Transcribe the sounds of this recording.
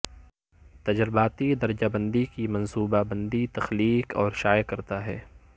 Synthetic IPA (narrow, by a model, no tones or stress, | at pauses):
t̪ɐd͡ʒɾbaːt̪id̪ɐɾd͡ʒabə̃nd̪ikimɐ̃nsuːbabə̃nd̪it̪ɐxliːkɔ̰ːɾʃaːjkɐɾt̪aɦɛː